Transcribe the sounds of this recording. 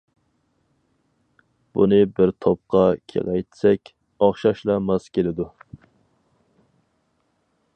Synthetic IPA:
b̥unɨbɪɾt̪ʰop̚qʰɑkʲʰḛlɛjt̪sɛkʲ | ɑχʃɑʃlˠɑmɑz̥kʲelɪd̪u

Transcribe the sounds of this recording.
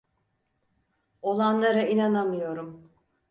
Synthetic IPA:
o̞lˠanlˠaɾainanamɯjo̞ɾum

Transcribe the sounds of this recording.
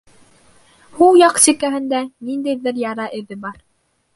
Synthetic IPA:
hulˠjɑqsikæɦɘ̆nd̪ænind̪æjðɘɾjɑɾɑʔɘ̆ðɘbɑɾ

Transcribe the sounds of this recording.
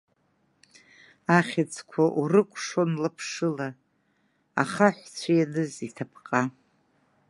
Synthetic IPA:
aχʲat͡sʰkʷʰaʔurɨkʷʼʰʂonlɨpʰʂɨla̰ː | χaħʷt͡sʷʰajanɨzitʰapʰqʼa

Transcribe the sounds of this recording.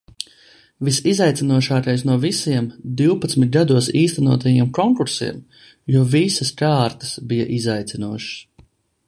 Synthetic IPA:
visizajt̪sinuɔʃaːkajsnuɔvisiɛmd̪iwpɐt̪smit̪̚ɡad̪uɔsiːst̪ɛnuɔt̪ajiɛmkɔŋkuɾsḭɛm | juɔvisɐskaːɾt̪ɐ̥sbija̰ʔizajt̪sinuɔʃs

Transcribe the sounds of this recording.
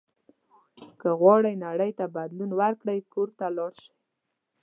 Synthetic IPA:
kəɣwɑɽəjnaɽəjt̪abad̪lunwaɾkɽəjkoɾt̪alɑɽʃi̥j

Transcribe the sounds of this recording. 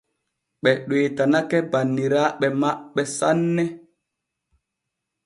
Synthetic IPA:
ɓɛɗweːtanakɛbanːiɾaːɓɛmaɓɛsanːɛ

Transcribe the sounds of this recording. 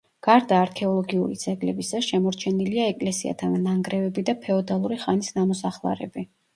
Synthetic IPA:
ɡ̥aɾd̪aːɾkʰɛɔlˠɔɡiuɾḭt̪sʰʼɛɡlɛbisaʃɛmɔɾt͡ʃʰɛniliaɛkʼlɛsia̰t̪ʰannaŋɡɾɛvɛbid̪apʰɛɔd̪alˠuɾiχanisnamɔsaχlˠa̰ɾɛ̰bi

